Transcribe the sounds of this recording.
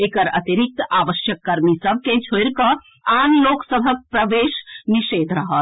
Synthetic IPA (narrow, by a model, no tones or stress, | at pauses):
eːkəɾət̪iɾik̚t̪aːʋəʃjəkːəɾmisəb̚ʱked͡ʒʰojɾkə | anloːksəbʱək̚pɾəʋeːʃniʃeːd̪ʱɾəɦət̪